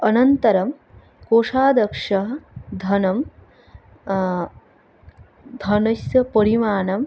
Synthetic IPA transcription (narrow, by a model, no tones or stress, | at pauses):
ɐnɐnt̪ɐɾɐm | koːʂaːd̪ɐkʂɐɦɐd̪ʱɐnɐm | d̪ʱɐnɐsjɐpɐɾimaːnɐm